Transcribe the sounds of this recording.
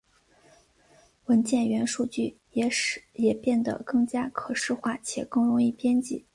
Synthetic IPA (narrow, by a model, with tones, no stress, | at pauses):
wə˧˥nt͡ɕjɛ˥˩nɥɛ˧˥nʂu˥˧t͡ɕy˥˩ | jɛ˨˩pjɛ˥˩nd̪ə̰˩kɤ˥˩ŋt͡ɕja˥kʰɤ˨˩ʂɻ̩˥˧xwa˥˩t͡ɕʰjɛ̰˨˩kɤ˥˩ŋɻʊ˧˥ŋi˥˩pjɛ˥nt͡ɕḭ˥˩˦